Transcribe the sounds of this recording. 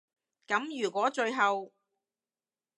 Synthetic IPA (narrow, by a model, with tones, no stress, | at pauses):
kɐ˨˥mjyː˨˩kʷɔː˨˥t͡ʃɵ˧ɥɦɐ˨w